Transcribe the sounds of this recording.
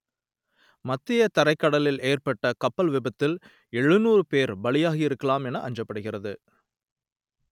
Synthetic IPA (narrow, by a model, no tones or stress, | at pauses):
mɐt̪ːɪjɐt̪ɐɾɐɪkːɐɽɐlɪleːrpɐʈːɐkɐpːɐlʋɪbɐt̪ːɪl | ɛɻɯnuːɾɯpeːɾbɐɭɪjaːɣɐɪɾɯkːɐlaːmɛnɐʔɐ̰ɲd͡ʒɐpːɐɽɯɣɪrɐðɯ